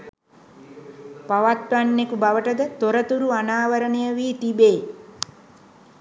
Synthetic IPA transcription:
paʋat̪ʋanːekubaʋəʈəd̪ət̪oɾət̪uɾuanaːʋəɾənejəʋiːt̪ibeː

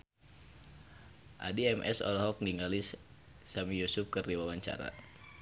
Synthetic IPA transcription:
ʔa̰diɛmʔɛ̰sɔ̰lɔɦɔk̚niŋalis | samijusup̚kɨrdiwawaɲt͡ʃa̰ɾa̰

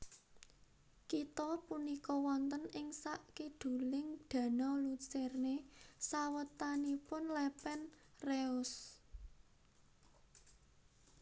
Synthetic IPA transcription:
kit̪ɔpunikɔwɔnt̪ənɪŋsaʔkiɖd̪̥ṳlɪŋɖ̪̥ä̤nɔlusɛrnesawət̪anipʊnlɛpɛn | reʊs

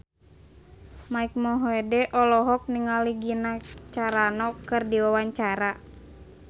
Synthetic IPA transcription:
maik̚mɔɦɔɛdɛʔɔlɔɦɔk̚niŋaliɡinat͡ʃaɾanɔkɨrdiwawaɲt͡ʃaɾa

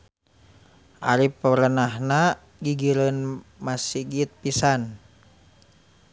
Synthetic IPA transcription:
ʔa̰ɾipəɾənahna | ɡiɡiɾənmasiɡit̪̚pisan

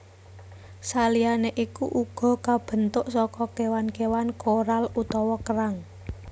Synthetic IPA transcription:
salianeʔikuʔuɡ̥ɔ̤kab̥ə̤nt̪ʊʔsɔkɔkewankewankoɾalut̪ɔwɔkəɾaŋ

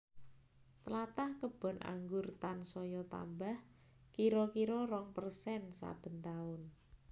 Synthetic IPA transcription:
t̪əlat̪ahkəb̥ɔ̤nʔa̰ŋɡʊrt̪ansɔjɔt̪a̰mbah | kiɾɔkiɾɔɾɔŋpərsɛnsa̰b̥ə̤nt̪aʊn

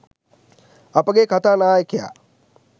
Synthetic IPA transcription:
ɐpəɡekʰɐt̪anaːjkija̰ː

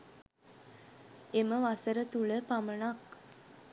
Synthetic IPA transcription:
eməʋasəɾət̪uɭəpamənak

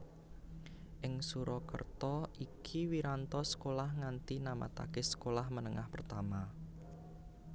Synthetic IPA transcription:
ʔɪŋsuɾɔkə̰rt̪ɔʔikʰiwiɾant̪ɔsə̥kolahŋant̪inama̰t̪a̰kesə̥kolahmənəŋahpərt̪ama

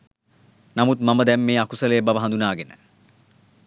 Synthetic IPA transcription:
namut̪maməd̪ɛmːeːakusəlejːbaʋəɦãnd̪unaːɡenə̰

